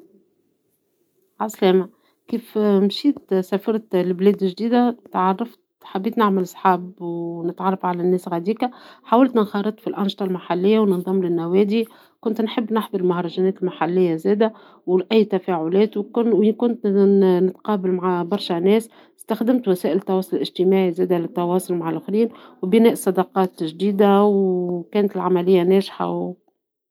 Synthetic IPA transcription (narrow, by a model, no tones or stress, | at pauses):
ʕaslɛːma | kiːfmʃiːt̪sæfɑɾˤt̪lblɛːd̪ɪʒd̪iːd̪æt̪ʕɑrˤːɑft̪ | ħabːiːt̪nɪʕməlsˤħɑːbwnɪt̪ʕɑrˤːɑfʕalænːɛːsɣæd̪iːkæħaːwɪlt̪nnxɑːɾɨt̪ˤfilʔɑnʃt̪ˤɑlmaħalːɪjːawnənðˤɑmːlɪnːæwɛːd̪i | kʊnt̪nħɪbːnɑħðˤɑɾɪlmʊhɾˤɑʒænɛːt̪ɪlmaħalːɪjːazɛːd̪æ | wlʔæjːt̪æfæʕʊlɛːt̪wkʊwɪnkʊnt̪nɪt̪qɑːbalmaʕabɑɾˤʃænɛːs | st̪axd̪ɪmt̪wæsæːʔɪlt̪ːɑwɑːsˤʊllʔɪʒt̪ɪmaːʕizæːd̪ælɪt̪ːɑwɑːsˤʊlmaʕalʔʊxɾiːnwbɪnɛːʔsˤɑd̪ɑqɑːt̪ʒd̪iːd̪awkɛːnt̪ɪlʕamælɪjːanæːʒħa̰w